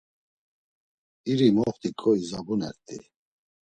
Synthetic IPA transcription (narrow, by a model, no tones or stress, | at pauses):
iɾimɔχt̪ʰʼikʼɔizabunɛ̰ɾt̪ʼḭ